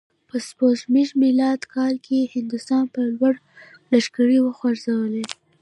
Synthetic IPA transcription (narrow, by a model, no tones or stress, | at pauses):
pəspozmiʒmilɑd̪kʰɑlkʰehɪnd̪ʊst̪ɑnpəlwaɽ | laʃkaɽiwəxwaɾzawəle